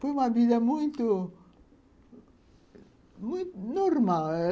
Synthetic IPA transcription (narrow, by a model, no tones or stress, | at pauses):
fojũmɐviðɐmũj̃t̪ʊ | mũj̃t̪noɾmalɛ